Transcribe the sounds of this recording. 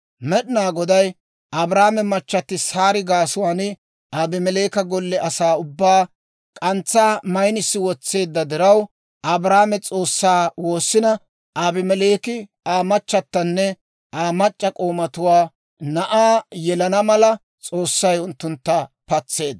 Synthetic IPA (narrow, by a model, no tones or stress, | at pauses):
mɛɗɪnaːɡɔd̪ɐj | ʔɐbɾaːmɛmɐt͡ʃːɐt̪ːɪsaːɾɪɡaːsʊwaːnɪ | aːbɪmɛleːkɐɡɔlːɛʔɐsaːʊbːaː | kʼɐnt͡sːaːmɐjnɪsːɪwɔt͡sːe̞ːd̪ːɐd̪ɪɾɐw | ʔɐbɾaːmɛt͡sʼo̞ːsːaːwo̞ːsːɪnɐ | ʔaːbɪmɛle̞ːkɪ | aːmɐt͡ʃːɐt̪ːɐnːɛ | ʔaːmɐt͡ʃʼːɐkʼoːmɐt̪ʊwaː | nɐʔaːjɛlɐnɐmɐlɐ | t͡sʼo̞ːsːɐjʊnt̪ːʊnt̪ːɐpɐt͡sːe̞ːd̪